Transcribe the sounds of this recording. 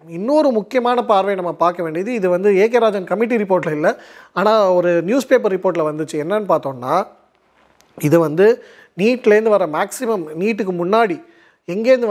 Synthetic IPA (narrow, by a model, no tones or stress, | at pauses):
ɪnːɯɔɾɯmʊkːɪjɐmaːnɐpaːɾʋɐjnɐmːɐpaːɾkɐʋeːɳɖiɐðɯɪðɯʋɐnd̪ɯeːk̬ɐɾaːd͡ʒɐnkɐmːɪʈ̬ːiɾɪpːoːɾʈɪlɪlːɛaːnaːɔɾɯnjuːspeːpɐɾɾɪpːoːɾʈ̬ːɪlɐʋɐnd̪ɯt͡ʃːɯɛnːɐnːɯpaːɾt̪õːnːaː | ɪðɯʋɐnd̪ɯ | niːʈːɪlɛɾɯnd̪ɯʋɐɾɐmaːksɪmɐmniːʈːɯkːɯmʊnːaːɽi | ɛŋɡeːɾɯnd̪ɯ